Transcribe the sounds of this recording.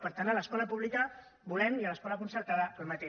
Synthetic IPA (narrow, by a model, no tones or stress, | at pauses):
pəɾt̪anələskɔləpuβlikə | bulɛmiələskɔləkunsəɾt̪aðəəlˠmət̪e